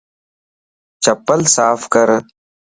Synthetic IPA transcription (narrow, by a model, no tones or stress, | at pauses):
t͡ʃɐpəlsaːfkəɾ